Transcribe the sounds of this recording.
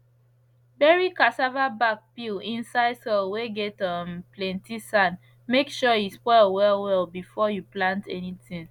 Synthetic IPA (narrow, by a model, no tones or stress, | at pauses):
bɛɹikasavabak̚pilĩnsaɪdsɔlweɡɛtʌmplɛ̃ntisãn | mekʃɔjispɔɪlwɛlwɛlbifɔjuplãntʰɛnitĩŋ